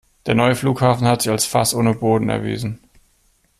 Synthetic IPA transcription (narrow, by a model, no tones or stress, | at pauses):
d̥eːɐnɔʏəfluːkhaːfn̩hatz̥ɪçalsfastʔoːnəboːdn̩ɛ̰ɐvḭːzn̩